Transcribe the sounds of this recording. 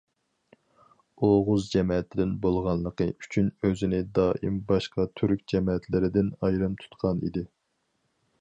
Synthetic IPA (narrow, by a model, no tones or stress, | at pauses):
oʁʊzd͡ʒɛmɛɛt̪ʰːɪd̪ɪnbolˠʁɑnlˠəqəy̥t͡ʃʰynøzɪnɪd̪ɑːʔḭmbɑʃqɑt̪ʰyɾkʲd͡ʒɛmɛɛt̪lɪɾɪd̪ɪnɑjɾɨmt̪ʰu̥t̪qʰɑnḭd̪ɪ